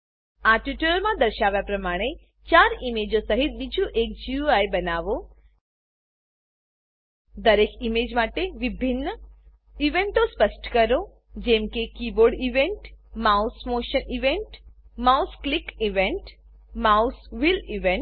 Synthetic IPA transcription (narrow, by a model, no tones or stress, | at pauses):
aʈuʈələɾmãd̪əɾʃaʋjapɾəmaɽ̃e | t͡ʃaɾimed͡ʒosəɦit̪̚bid͡ʒũʔek̚d͡ʒiuajbənaʋo | d̪əɾekimed͡ʒmaʈeʋibʱinːə | iʋeɳʈospəsʈkəɾo | d͡ʒɛmkekiboɖiʋeɳʈmausmoʃəniʋeɳʈmausklikiʋeɳʈ | mausʋiliʋẽɳʈ